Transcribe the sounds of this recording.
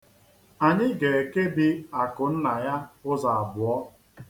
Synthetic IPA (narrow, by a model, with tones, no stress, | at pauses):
a˨ɲɪ˦ɡe˨e˨ke˦bi˦a˨kʊ˨n̩˦na˨ja˦ʊ˦za˨a˨bʊ˨ɔ˦